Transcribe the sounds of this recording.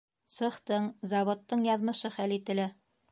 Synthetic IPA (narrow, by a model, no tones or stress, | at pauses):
sɤ̆χt̪ɤɴzɑβŏt̪ːɤɴjɑðmɤ̆ʃɤχælit̪ɘ̆læ